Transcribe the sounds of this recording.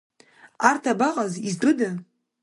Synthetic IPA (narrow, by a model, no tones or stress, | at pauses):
artʰabaqʼaziztrɨda